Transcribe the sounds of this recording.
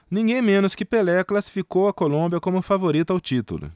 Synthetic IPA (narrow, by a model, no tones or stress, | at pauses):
nĩɡẽj̃mẽnʊskɪpelɛɐklasi̥fikowɐkolõbjɐkõmʊfavoɾit̪ʊawt͡ʃit̪ṵlʊ̰